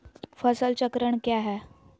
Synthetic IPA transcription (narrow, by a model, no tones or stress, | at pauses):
fəsəlt͡ɕəkɾəɳkjaɦɛ